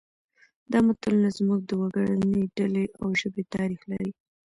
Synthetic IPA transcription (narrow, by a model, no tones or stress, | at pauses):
d̪ɑmat̪alunazmuɡ̚d̪əwaɡaɽaneɖaleʔawʒəbet̪ɑɾixla̰ɾi